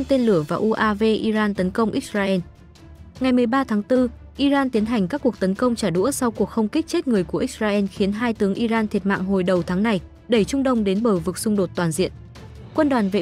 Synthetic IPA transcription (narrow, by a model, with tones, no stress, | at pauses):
t̪e˧nlɨ˧˩əvaː˨˩ʔu˧ʔaː˧ve˧ʔi˧zaː˧nt̪ə˨˦nkə˧wŋ͡mʔi˦˥k̚zaː˧ʔɛ˧n | ŋa˨˩jmɨ˨˩əjɓaː˧t̪ʰaː˨˦ŋt̪ɨ˧ | ʔi˧zaː˧nt̪i˨˦ənɦa˨˩jŋ̟kaː˦˥kːu˨˩ək̚t̪ə˨˦nkə˧wŋ͡mt͡ɕaː˧˩ɗṵ˧˥əsa˧wku˨˩ək̚xə˧wŋ͡mki˦˥k̟̚t͡ɕe˦˥t̚ŋɨ˨˩əjku˧˩əʔi˦˥k̚zaː˧ʔɛ˧nxi˨˦ənɦaː˧jt̪ɨ˨˦əŋʔi˧zaː˧nt̪ʰi˨˩ət̚ma̰ː˧˨ŋɦo˨˩jɗə˨˩wt̪ʰaː˨˦ŋna˨˩j | ɗə˧˩jt͡ɕʊ˧ŋ͡mɗə˧wŋ͡mɗe˨˦nɓəː˧˩vɨ˨˩k̚sʊ˧ŋ͡mɗo˨˩t̚t̪waː˨˩nzḭ˧˨ən | kwə˧nɗwaː˨˩nvḛ˧˨